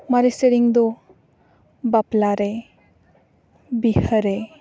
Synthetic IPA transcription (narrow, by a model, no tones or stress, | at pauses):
maɾeseɾiŋd̪ɔ | baplaɾe | bihəɾe